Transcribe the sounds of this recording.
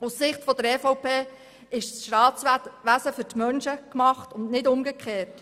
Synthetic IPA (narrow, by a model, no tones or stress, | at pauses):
ussɪχtfɔd̥̪əɾɛfɔʊpeː | ɪʃsʃtɑːt͡sʋæsəfʏɾtmœnʃəkmɑχtʊnnɪdʊmɡəkʰχeːt